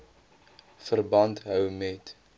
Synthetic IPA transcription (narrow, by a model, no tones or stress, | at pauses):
fərbɐntɦœwmɛt